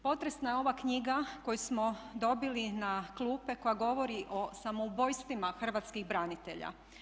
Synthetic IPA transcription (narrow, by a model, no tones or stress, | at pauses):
po̞t̪ɾesnajeo̞ʋakɲiɡako̞jusmod̪o̞bilinaklˠuːpe̞ko̞jaɡo̞ʋo̞ɾiʔo̞samoubo̞jst̪ʋimaxr̩ʋat̪skiɣbɾanit̪e̞̰ʎa̰